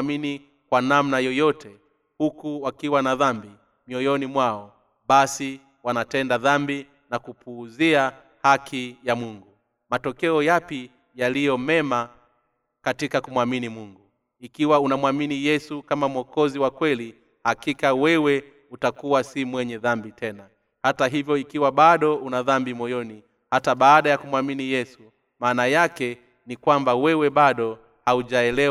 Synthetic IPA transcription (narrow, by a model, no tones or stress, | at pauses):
mini | kwanamnajɔjɔtʰɛ | hukuwakiwanaðambi | miɔjɔnimwaɔ | ɓasi | wanatɛndaðambi | nakupʰuːzia | hakʰijamuŋɡu | matɔkɛɔjapi | jalijɔmɛma | katikakumwaminimuŋɡu | ikiwaunamwaminijɛsukamamwɔkɔziwakwɛli | hakikawɛwɛ | utakuwasimwɛɲɛðambitʰɛna | hataɦivjɔikiwaɓaɗɔunaðambimɔjɔni | hataɓaːɗajakumwaminijɛsu | maːnajakɛ | nikwambawɛwɛɓaɗɔ | hauʄaɛlɛ